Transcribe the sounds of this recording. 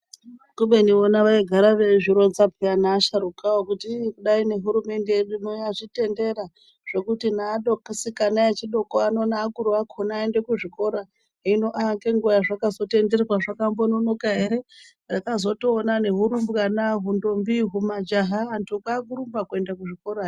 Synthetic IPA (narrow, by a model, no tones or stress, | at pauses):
kuɓe̞nionaʋaiɡʱaɾaʋe̞ʐiɾo̞nzapʰeanaːʃaɾukaokutikuɗaine̞ɦuɾume̞nde̞eɗunoaʐite̞nde̞ɾa | ʐ̥e̞kutinaːɗokisikanaet͡ʃiɗo̞koano̞naːkuɾuakʰonaːende̞kuʐiko̞ɾa | ino̞ʔaŋɡeŋɡujaʐakazo̞te̞nde̞rerwaʐakambono̞no̞kaɦe̞ɾe̞ | rakazo̞toːnane̞ɦuɾumbɣanaɦundo̞mbiɦumad͡ʒaɦaːntukakuɾumbakue̞ndakuʐiko̞ɾa